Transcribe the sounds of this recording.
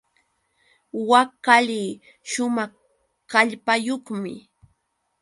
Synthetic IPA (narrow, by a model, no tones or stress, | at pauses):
wakaliː | ʃʊmɑχ | kaʎpajoχmɪ̰